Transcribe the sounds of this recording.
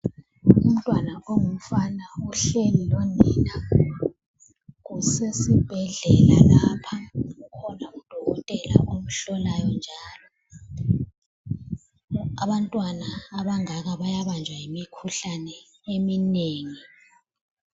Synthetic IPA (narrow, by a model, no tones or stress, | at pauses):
um̩tʼwanaoŋum̩fanauɬelilɔnɛna | ɣusesib̥ʱɛɮɛlalapʰaɣukʰɔnaud̥ʱɔɣɔtʼɛla̰ʔom̩ɬɔlajɔnd͡ʒʱaːlɔ | aβantʼwanaːβaŋaɣaβajaβand͡ʒʱwajimikʰuɬanɛ | emineːŋi